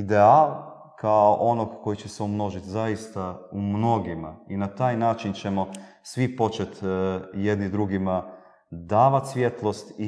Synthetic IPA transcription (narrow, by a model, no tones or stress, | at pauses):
id̪ealˠ | kʰaoʔo̞noɡkːo̞jit͡ɕeseumno̞ʒit̪zajist̪aumno̞ɡimainat̪aːjnaːt͡ʃint͡ʃe̞mo̞ | sʋipo̞t͡ʃe̞t̪je̞d̪nid̪ɾuɡima | d̪aːʋat̪sʋje̞t̪lˠo̞st̪i